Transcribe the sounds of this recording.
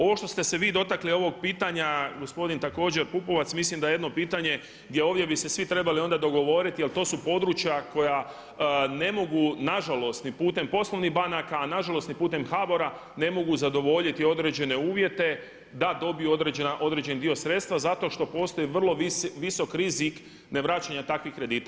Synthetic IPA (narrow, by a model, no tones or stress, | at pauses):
o̞ʋo̞ʃt̪o̞st̪e̞se̞ʋiːd̪o̞t̪aklio̞ʋo̞ɡ̚piːt̪aɲaɡo̞spo̞d̪int̪ako̞ːd͡ʑe̞ɾpupo̞ʋat̪smislimd̪ajejd̪no̞piːt̪aɲe̞ | ɡd̪jeoːʋdʲje̞bise̞sʋit̪ɾe̞balio̞nd̪ad̪o̞ɡo̞ʋo̞ɾit̪ijelˠt̪o̞ːsupo̞d̪ɾut͡ʃjako̞ja | ne̞mo̞ɡunaʒalo̞st̪nipuːt̪e̞mpo̞slˠo̞ʋniɦbanakaːnaʒalo̞st̪nipuːt̪e̞mxaːbo̞ɾa | ne̞mo̞ɡuzad̪o̞ʋo̞ʎit̪io̞d̪ɾe̞d͡ʑe̞ne̞uːʋje̞t̪e̞ | d̪ad̪o̞bijuo̞d̪ɾed͡ʑenaʔo̞d̪ɾe̞d͡ʑe̞nd̪io̞sɾe̞t̪st̪ʋazat̪o̞ʃt̪o̞po̞ːst̪o̞jiʋr̩lˠo̞ʋiso̞kɾizik | ne̞ʋɾaːt͡ʃaɲat̪akʋixkːɾe̞d̪iːt̪a